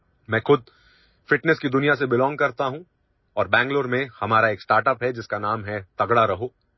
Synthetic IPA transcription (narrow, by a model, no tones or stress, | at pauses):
mɛ̃ːxʊd̪̚ʱ | fɪʈnɛskid̪ʊnijas̬ebɪlɔ̃ːŋɡ̚kɐɾt̪aɦũ | ɔːɾbɛ̃ːŋɡloːɾmẽhɐmaːɾaeːksʈaːɾʈəpɦɛd͡ʒɪskanaːmɦɛt̪ɐɡɽaɾɐɦoː